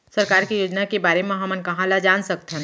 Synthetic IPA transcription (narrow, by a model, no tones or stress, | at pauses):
sɐɾkaːɾkijoːd͡ʒnakebaːɾemẽɦɐmənkɐɦãlad͡ʒaːnsɐk̚t̪ɦɛ̃